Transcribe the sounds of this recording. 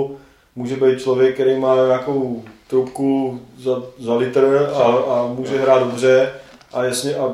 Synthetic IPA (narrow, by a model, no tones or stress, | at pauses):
muːʒɛbɛjt̪̚t͡ʃlovjɛk̚kːɛɾɛjmaːɲaakowt̪ɾupkuzazalɪt̪r̩aamuːʒɛɦɾaːt̪dobrɛ | ʔajasɲɛʔa